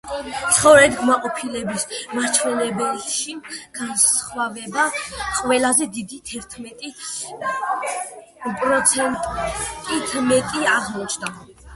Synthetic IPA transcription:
t̪sʰχɔvɾɛt̪ɡmaqʼɔpʰilɛbismaɾt͡ʃʰwɛlɛbɛlʃiɡ̥ansχwavɛbaqʼwɛlazɛd̪id̪it̪ʰɛɾt̪ʰmɛt̪ʼi | pʼɾɔt̪sʰɛnt̪ʼt̪ʼit̪ʰmɛt̪ʼiaʁmɔt͡ʃʰd̪a

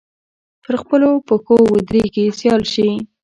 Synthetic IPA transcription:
pəɾxpəlopəkowəd̪ɾikesjɑlʃi

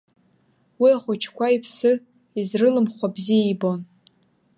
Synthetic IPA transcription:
wiaχʷʊt͡ʃʰkʷʰaipʰsɨ | izrɨlɨmχʷabziaibo̞n

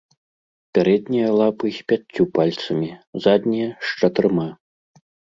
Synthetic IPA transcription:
pʲaɾɛd̪nʲijɐlˠapɨpʲat͡sʲːupalʲt̪sɐmʲizad̪ʲnʲijɐʂt͡ʂɐt̪ɨɾɨma

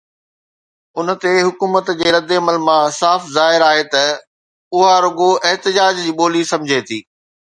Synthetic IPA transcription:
ʊnə̆t̪eɦʊkuːmət̪d͡ʑeːɾɐd̪eɐməlmãsaːfzaːɦɪɾaːɦet̪ɐ | ʊɦaɾʊɡoʔɪɦt̪ɪd͡ʑaːd͡ʑd͡ʑiːɓoːlisɐ̃md͡ʑʱet̪ʰiː

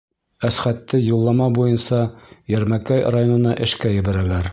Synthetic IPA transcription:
æsχæt̪ːɘjulˠːɑmɑbujɤnsɑjæɾmækæjrajo̞nɤ̆nɑʔɘ̆ʃkæjɘ̆bæɾælæɾ

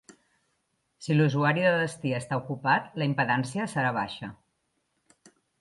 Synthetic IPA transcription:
siluzuaɾiðəðəst̪iəst̪aukupat̪ləimpəðɛnsiəsəɾaβ̞aʃə

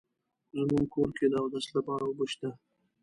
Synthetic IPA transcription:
zmuŋkʰoɾked̪awd̪aslapɑɾawoboʃt̪a

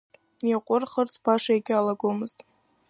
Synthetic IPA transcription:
jaqʷʼʊrχərt͡sʰʼpʰaʂajaɡʲɪalaɡomɨztʼ

